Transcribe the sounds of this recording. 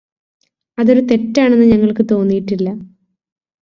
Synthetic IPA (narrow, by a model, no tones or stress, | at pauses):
ɐðo̞ɾut̪e̞tːaːɳe̞nːɨɲɐŋːɐɭkɨt̪o̞ːnːijiʈːilːɐ